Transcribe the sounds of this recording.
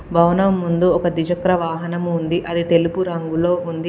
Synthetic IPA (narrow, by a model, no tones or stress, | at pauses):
bʱɐwnɐmmːund̪uɔkɐd̪id͡ʒɐkɾɐʋaːɦɐnɐmund̪iʔɐd̪it̪e̞lupuɾɐŋɡulo̞ːund̪i